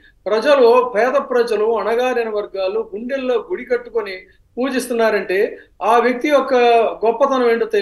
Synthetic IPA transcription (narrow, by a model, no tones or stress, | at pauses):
pɾɐd͡ʒɐlupɛːd̪ɐpɾɐd͡ʒɐluɐnɐɡaːɾɐnɐʋɐɾɡaːluɡuɳɖelːo̞ːɡuɽikɐʈːukoni | puːd͡ʒist̪unːaːɾɐɳʈe̞ːaːʋjek̚t̪iɔkːɐɡɔpːɐt̪ɐnuʋeːɳʈut̪e